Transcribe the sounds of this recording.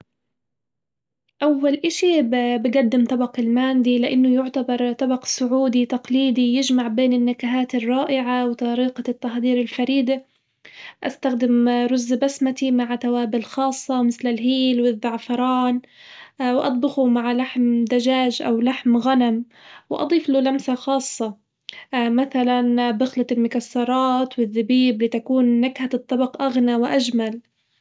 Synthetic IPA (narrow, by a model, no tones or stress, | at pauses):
ʔawːalʔaʃibbɪɡad̪ːɪmt̪ˤɑbɑqɪlmaːnd̪ilɪʔanːʊjʊʕt̪abɑɾˤt̪ˤɑbɑqsʊʕuːd̪it̪ɑqliːd̪ijɪd͡ʒmaʕbeːnɪnːakaɦaːt̪ɪrˤːɑːʔɪʕawɪt̪ˤɑɾiːqɑt̪ːaxd̪iːɾɪlfaɾiːd̪a | ʔast̪axd̪ɪmɾʊzːbasmat̪imaʕt̪awaːbɪlxɑːsˤːɑmɪθlɪlɦiːlwɪðːɑʕfɑɾˤɑːn | wʔɑ̰t̪ˤbɪxumaʕlaħmd̪ad͡ʒaːʒʔawlaħmɣanam | wɪʔɑ̰d̪ˤiːfluːlamsaxɑːsˤːɑ | maθalanbʊxlalmʊkasːɑɾˤɑːt̪wɪðːɪbiːblit̪akuːnːaɡhaɨt̪ˤːɑbɑqʔaɣnawɪʔad͡ʒmal